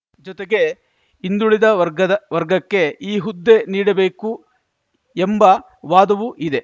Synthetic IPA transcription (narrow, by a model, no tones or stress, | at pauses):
d͡ʒɔt̪eɡe̞ | ind̪uɭid̪ɐʋɐɾɡɐɐʋɐɾɡɐkːe̞iːɦud̪ːe̞niːɽɐbe̞ːku | embɐ | ʋaːd̪ɐʋuʔid̪e̞